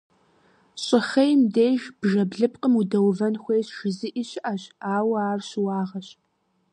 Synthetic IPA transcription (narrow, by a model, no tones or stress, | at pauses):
ɕʼɪχɐjmdeːʒb̥ʒɐbɮɨp̚qʼəmudɐwvɐnxʷejɕʒ̥ɪzɨʔiːɕɪʔɐɕaːwaːrɕɪwɑːʁɐɕ